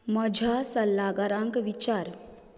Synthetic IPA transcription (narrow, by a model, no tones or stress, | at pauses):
məd͡ʒʱasəlːaɡaɾãŋkʋit͡ʃaːɾ